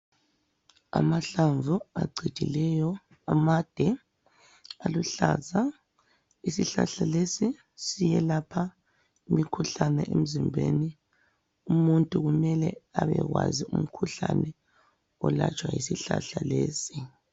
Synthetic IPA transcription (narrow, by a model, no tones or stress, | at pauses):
a̰maɬaɱvʱuaɡ͡ǀʱi̥d̥ʱilɛjɔ | amad̥ʱɛ | aluɬaza | isiɬa̰ɬalesi | sijɛlapʰa | imikʰuɬanɛʔem̩zimbʱeːni | umuntʼuɣumɛlɛaβɛɣwazium̩kʰuɬanɛ | ɔlat͡ʃʼwajisiɬaɬaleːsi